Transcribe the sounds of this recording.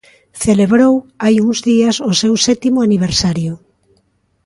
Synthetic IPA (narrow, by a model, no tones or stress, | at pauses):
θeleβɾowajuŋzðiasosewsɛt̪imʊaniβ̞eɾsaɾjo